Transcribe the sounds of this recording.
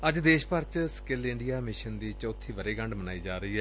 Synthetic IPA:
əd͡ʒd̪eːʃpəɾt͡ʃskɪlɪ̃ɳɖijaːmɪʃənd̪iːt͡ʃɔːt̪ʰːiːʋəɾeːɡəɳɖməna̰ːiːd͡ʒaːɾəiːɦɛː

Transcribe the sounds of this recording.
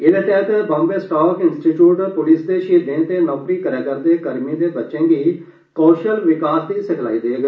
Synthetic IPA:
ɪd̪eːt̪ɛːt̪bãːmbeːsʈaːkɪnsʈiːʈjuːʈpʊlisd̪eːʃiːd̪ẽːt̪eːnɔːpɾiːkəɾeːkəɾd̪eːkəɾmĩːd̪eːbətːʃẽːɡiː | koːʃəlʋɪkaːsd̪iːsɪkʰla̰ːiːd̪eɡ

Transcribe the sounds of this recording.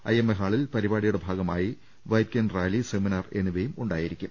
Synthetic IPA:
ɐ̰jemːeɦaːɭilpɐɾibaːɽijuɽe̞bʱaːɡɐmaːji | ʋɐj̚kʲɐnraːliseminɐre̞nːuʋejumuɳɖaːjiɾikʲːum

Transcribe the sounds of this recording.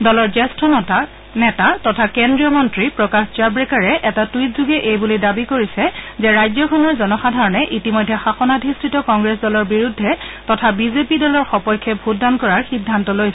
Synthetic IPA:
dɔlɔɹzɛstɹɔa | nɛtatɔtʰakendɹiɔmɔntɹipɹɔkaxt͡ʃaɹbɹɛkaɹɛʔɛtatwitzuɡɛʔejbulidabikoɹisɛzɛɹajzɔkʰɔnɔɹzɔnɔxadʱaɹɔnɛʔitimɔjdʱːɛxaxɔnadʱistɹitɔkɔŋɡɹɛsdɔlɔɹbiɹudʱːɛtɔtʰabizepidɔlɔɹxɔpɔjkʰːɛbʱutdankɔɹaɹxidʱːantɔlojsɛ

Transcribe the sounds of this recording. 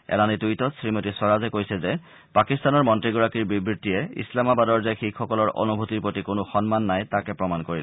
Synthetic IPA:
ɛ̰lanitujtɔsɹimotisɔɹazɛkojsɛzɛ | pakistanɔɹmɔntɹiɡuɹakiɹbibɹitːijɛḭslamabadɔɹzejxikʰxɔkɔlɔɹʔo̰nubʱutiɹpɹotikonʊxɔnmanːajtakɛpɹɔmankoɹil

